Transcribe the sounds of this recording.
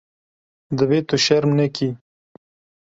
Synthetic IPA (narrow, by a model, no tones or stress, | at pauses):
d̪əwet̪oʃaɾmnəkʰi